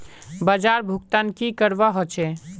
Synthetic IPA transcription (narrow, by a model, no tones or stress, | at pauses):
bəd͡ʒaɾbʱuɡt̪ankikəɾʋaɦot͡ʃʰe